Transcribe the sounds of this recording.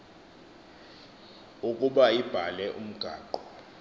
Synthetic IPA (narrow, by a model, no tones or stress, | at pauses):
ukʼuɓaib̥ʱalɛʔṵm̩ɡ̥ʱaːǃɔ